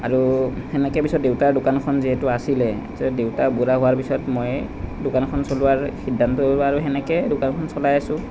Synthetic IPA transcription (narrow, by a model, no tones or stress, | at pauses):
aɹu | hɛnɛkɛbisɔt̚dewtaɹdʊkankʰɔnziɦɛtʊasilɛ̰tɛdewtabudaɦʊwaɹbisɔtmojdʊkankʰɔnsolʊwaɹxidʱːantɔlaɹuɦɛnɛkɛdʊkankʰɔnsɔlajasʊ̃